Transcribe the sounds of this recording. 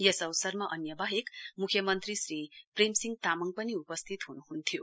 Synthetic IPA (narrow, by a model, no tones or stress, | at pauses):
jʌsʌwsʌrmaʔʌnjʌbaɦekmukʰjʌmʌnt̪risɾipremsiŋɡt̪amʌŋ̚pʌniupʌst̪ʰit̪ɦunuɦunt̪ʰjo